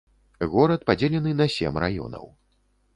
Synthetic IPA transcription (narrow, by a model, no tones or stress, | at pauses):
ɣɔɾɐt̪̚pad͡zʲelʲɛnɨnɐsʲɛ̰mra̰jɔ̰nɐ̰w